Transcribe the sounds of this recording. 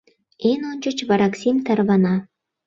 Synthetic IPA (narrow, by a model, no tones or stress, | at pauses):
enonʲt͡ɕə̆t͡ɕβɑɾɑksʲimt̪ɑrβɑnɑ